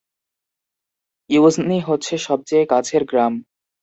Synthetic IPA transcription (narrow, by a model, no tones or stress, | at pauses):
izniɦotːɕʰeʃɔb̚t͡ɕeekat͡ɕʰeɾɡɾam